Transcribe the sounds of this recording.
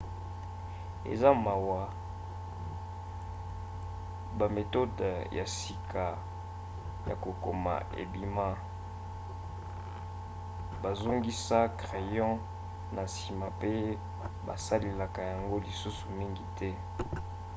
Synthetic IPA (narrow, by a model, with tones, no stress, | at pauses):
ḛ˨za˦ma˨wa˨ | ba˨me˨to˦dja̰˨si˨kʰa˨ | ja̰˨ko˨ko˨ma̰˨ḛ˨bi˦ma˦ | ba˨zo˦ŋɡi˦sa˦kʁe˨jɑ̃˦ | na˨si˨ma˨pe˦ | ba˨sa˦le˨la˨ka˨ja˨ŋɡo˦li˨su˦su˨mi˦ŋɡi˨tʰɛ˦